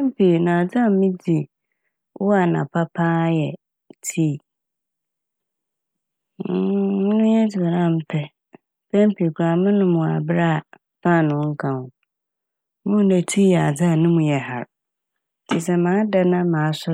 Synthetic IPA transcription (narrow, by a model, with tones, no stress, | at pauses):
pɛ̃˦m˦pʰi˨nã˨a˨d͡za˦˨˦mɪ̃˦di˨ | wʔɔ˦a˨nã̰˨pʰa˦pʰãː˦jɛ˨ | tʰi˦˨˦ | mʊ̃˦nʊ̃˦jɛ˦d͡zɪ˨ba˨ɾã˦m̩˦pʰɛ˦ | bʰɛ̃˦m˦pʰi˨kʰa˨mɪ̃˦nʊ̃˦mʊ̃˨a̰˨bɾa˦˨ | fã˦˨nʊ̃˨˦ŋ̩˦kʰã˨ʊ̃˨ | mʊ̃˦˨nɛ˨tʰi˦jɛ˨a˨d͡za˦˨nʊ̃˦mũ˨jɛ˨ha̰˨ɾ | tʰi˨sɛ˦mãː˨˦da˦nã˦mãː˨a˦sʊ˦